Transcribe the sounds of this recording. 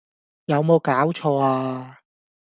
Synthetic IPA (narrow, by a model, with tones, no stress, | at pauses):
jɐ˨˧wmo˨˧wkaː˨˥wt͡ʃʰɔː˧aː˧